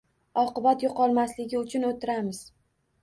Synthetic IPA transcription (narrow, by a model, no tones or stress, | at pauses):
ɒqɨbat̪joqʰɒlˠmaslɪɡʲɪʊt͡ʃʰʊnot̪ʰːɪɾamɪz̥